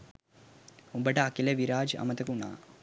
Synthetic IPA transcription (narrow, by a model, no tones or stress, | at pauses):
umbɐʈɐɐkːilɐʋiɾaːd͡ʒɐ̰mɐt̪ɐkuɳa̰ː